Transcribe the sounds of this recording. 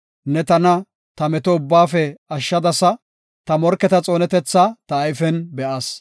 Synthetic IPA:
nɛt̪ɐnɐ | t̪ɐmɛt̪ɔʊbːaːfɛɐʃːɐd̪ɐsɐ | t̪ɐmɔɾkːɛt̪ɐt͡sʼo̞ːnɛt̪ɛt͡sːɐt̪ɐːjfɛnbɛʔɐs

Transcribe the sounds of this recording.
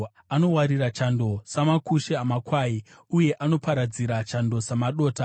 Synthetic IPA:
ano̞waɾirat͡ʃando̞samakuʃeamakwaːi | uje̞ʔano̞paɾad͡ziɾat͡ʃando̞samaɗo̞ːta

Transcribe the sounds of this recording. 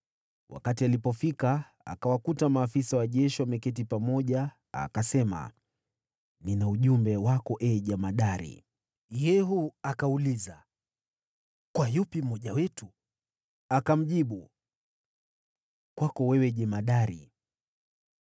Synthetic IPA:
wʔa̰katialipɔfika | a̰kawakutamaːfisawaʄɛʃiwamɛkɛt̬ipamɔʄa | a̰kasɛma̰ | ninauʄumbɛwakɔʔɛʄɛmaɗaɾḭ | jɛɦuakauliza | kwajupim̩mːɔʄawɛtu | akam̩ʄiɓu | kwakɔwɛwɛʄɛmaɗaɾḭ

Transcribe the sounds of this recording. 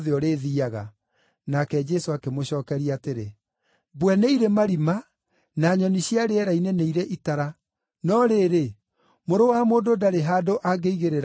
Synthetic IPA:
ðeɔɾeðiaɣa̰ | nakɛd͡ʒɛsoakemoɕɔːkɛɾiateɾe | bwɛneiɾemaɾima | naɲɔniɕjaɾeɛɾaineneiɾeʔitaɾa | nɔɾeɾe | moɾowamoːdodaɾeɦaːdoʔaɡeiɣeɾeɾ

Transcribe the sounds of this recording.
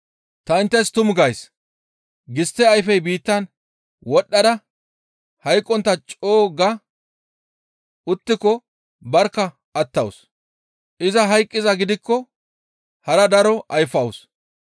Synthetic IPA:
t̪ɐɪnt̪ːɐst̪ʊmɡɐjs | ɡɪst̪ːɛɐjfɛjbiːt̪ːɐn | wɔɗːɐd̪ɐ | hɐjkʼːɔnt̪ːɐt͡ʃʼoːɡɐ | ʊt̪ːɪkːɔ | bɐɾkːɐ | ʔɐt̪ːɐws | ʔɪzɐɦɐjkʼːɪzɐɡɪd̪ɪkːɔ | hɐɾɐd̪ɐɾɔʔɐjfɐws

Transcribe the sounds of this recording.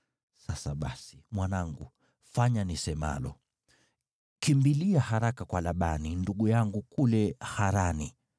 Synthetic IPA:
sasaɓasi̥mwanaŋɡu | faɲanisɛma̰lɔ̰ | kimbiliahaɾakakwalaɓaninduɠujaŋɡukulɛhaɾani

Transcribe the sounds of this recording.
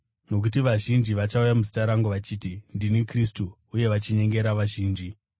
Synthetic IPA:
no̞k̬utiʋaʒind͡ʒiʋat͡ʃaujamuzi̥taɾaŋɡuʋat͡ʃiːtindinikristu | uje̞ʋat͡ʃiɲe̞ŋɡe̞ɾaʋaʒiːnd͡ʒi

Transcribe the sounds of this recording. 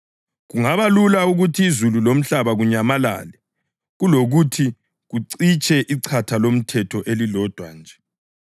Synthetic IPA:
ɣuŋaβalulauɣutʰiːzululom̩ɬaβaɣuɲamala̰ːlɛ | ɣuloɣutʰi | ɣuǀit͡ʃʰʼɛʔiǀʰatʰalom̩tʰɛtʰɔʔelilɔd̥ʱwa̰nd͡ʒʱɛ

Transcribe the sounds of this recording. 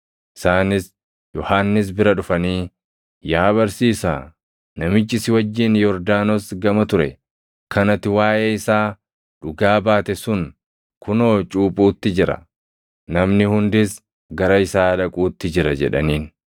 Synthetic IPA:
ʔɪsaːnɪs | jɔhaːnːɪs̬bɪɾɐᶑʊfɐniː | jaːβɐɾsiːsa̰ː | nɐmɪt͡ʃːɪsɪwɐd͡ʒːɪnjɔɾd̪aːnɔsɡɐmɐt̪ʊɾɛ̰ | kɐnɐt̪ːɪwaːʔeːɪsaː | ᶑʊɡaːbaːt̪ɛsʊŋ | kʊno̞ːt͡ʃʼuːpʼuːt̪ːɪd͡ʒɪɾɐ̰ | nɐmnɪhʊnd̪ɪs | ɡɐɾɐɪsaːᶑɐkʼuːt̪ːɪd͡ʒɪɾɐd͡ʒɛ̰ᶑɐ̰niːn

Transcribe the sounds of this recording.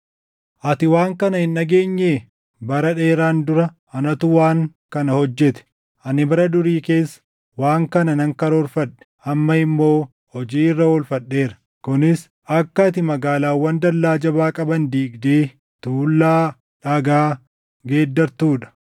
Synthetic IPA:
ʔɐt̪ɪwaːŋkɐnɐhɪnːɐɡeːɲːeː | bɐɾɐᶑeːɾaːnd̪ʊɾɐ | ɐnɐt̪ʊwaːŋ | kɐnɐhɔd͡ʒːɛt̪ɛ̥ | ʔɐnɪbɐɾɐd̪ʊɾiːke̞ːsːɐ̥ | waːŋkɐnɐnɐŋkɐɾoɔlfɐᶑɛ̥ | ɐmːɐɪmːo̞ː | hɔd͡ʒiːɪrːɐolfɐɗːe̞ːɾɐ̥ | kʊnɪs | ɐkːɐt̪ɪmɐɡaːlaːwːɐnd̪ɐlːaːd͡ʒɐbaːkʼɐbɐnd̪iːɡd̪eː | t̪uːlːaː | ᶑɐɡaː | ɡe̞ːd̪ːɐɾt̪uːᶑɐ̥

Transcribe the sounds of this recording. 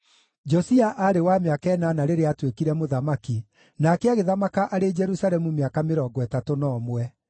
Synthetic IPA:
d͡ʒɔsiaʔaɾewameakɛnanaɾeɾeatwekiɾɛmoðamaki | nakeaɣeðamakaʔaɾed͡ʒɛɾusaɾɛmumeakameɾɔːɡwɛtatonɔːmwɛ

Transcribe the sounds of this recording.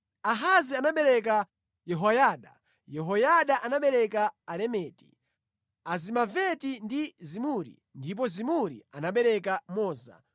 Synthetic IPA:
aɦazianaɓɛɾɛk̬a | jɛɦɔjaːɗa̰ | jɛɦɔjaɗaʔanaɓɛɾɛkaːlɛmɛːti̥̰ | azimavɛtindizimuɾḭ | ndip̬ɔzimuɾḭanaɓɛɾɛkamɔːza̰

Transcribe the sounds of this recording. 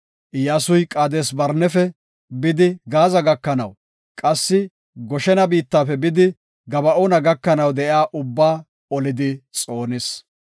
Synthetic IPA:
ʔɪjaːsʊjkʼaːd̪eːsbɐɾnɛfɛ | bɪd̪ɪɡaːzɐɡɐkːɐnɐw | kʼɐsːɪ | ɡɔʃɛnɐbiːt̪ːaːfɛbɪd̪ɪ | ɡɐbɐʔoːnɐɡɐkːɐnɐwd̪ɛʔjaːʔʊbːaː | ɔlɪd̪ɪt͡sʼo̞ːnɪs

